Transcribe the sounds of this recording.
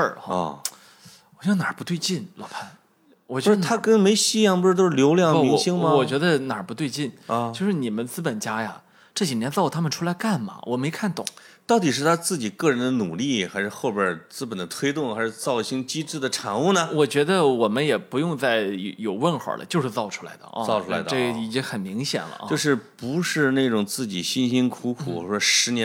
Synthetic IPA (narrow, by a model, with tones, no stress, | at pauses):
ə̰˞˥˩˥ | ɔ˨˩ɕɑ˥˧na˨˩pu˧˥t̪we˥˧ɪt͡ɕi˥˩nlɔ̰˨˩˥pʰa˥˩n | wɔ˨˩t͡ɕɥɛ˧˥d̪t̪ʰa˥kə˥nme˧˥ɪɕi˥jɑ˥˩ŋpu˧˥ʂ̩̬˥˧o˥˧˥ʂɻ̩˥˧ljo˧˥ʊljɑ˥˩ŋ˥˩mi˧˥ŋɕi˥ŋmɐ˧wɔ˨˩t͡ɕɥɛ˧˥d̪ə˧na˨˩pu˧t̪we˥˧ɪt͡ɕi˥˩n˧t͡ɕjo˥˧ʊʂɻ̩˥˩ni˨˩mə˦nt͡sɹ̩˥pə˨˩nt͡ɕja˥ja̰˨ | ʈ͡ʂɤ˥˩t͡ɕi˨˩njɛ˧˥nt͡sɑ˥˩ʊ˩t̪ʰa˥mə˨nʈ͡ʂʰu˥la˧˥ɪka˥˩nmɐ̰˨˩wʔɔ˨˩me˧˥ɪkʰa˥˩nt̪ʊ̰˨˩˦ŋt̪ɑ˥˩ʊt̪i˨˩ʂɻ̩˥˩t̪ʰa˥t͡sɹ̩˥˩t͡ɕi˨˩kɤ˥˩ɻə˧˥nd̪ə˧nu˨˩li˥˩xa˧˥ɪʂɻ̩˥˧xo˥˩ʊpjə˞˥t͡sɹ̩˥pə˨˩nd̪ə˦t̪ʰwe˥ɪt̪ʊ˥˩ŋxa˧˥ɪʂɻ̩˥˧t͡sɑ˥˩ʊ˧ɕi˥ŋt͡ɕi˥ʈ͡ʂɻ̩˥˩d̪ə˩ʈ͡ʂʰɑ˧˥ŋu˥˧nə˩wɔ˨˩t͡ɕɥɛ˧˥d̪ə˧wɔ˨˩mə˦njɛ˨˩pu˧˥jʊ˥˧ŋt͡sa˥˩ɪ˧˩jo˨˩ʊwə˥˩nxwə̰˞˨˩lʔə̰˦t͡ɕjo˥˧ʊʂɻ̩˥˧t͡sɑ˥˩ʊʈ͡ʂʰu˥la˧˥ɪd̪ə̰˧ʔɑ˥˧ʊʈ͡ʂʰu˥˩a˧˥ʈ͡ʂɤ˥˩ɡi˨˩t͡ɕi˥ŋxə˨˩nmi˧˥ŋɕjɛ̰˨˩nlə̰˦˥t͡ɕo˥˧ʊʂɻ̩˥˩pu˧˥ʂɻ̩˥˧ne˥˩ɪʈ͡ʂʊ˨˩ŋt͡sɹ̩˥˩t͡ɕi˨˩ɕi˥nɕi˥nkʰu˧˥kʰu˨˩˧ʂɔ˥ʂɻ̩˧˥nɛ˧˥